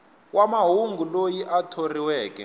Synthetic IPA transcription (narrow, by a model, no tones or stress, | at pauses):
wamaɦuŋɡʱulojiʔatʰoriwɛːkɛ̰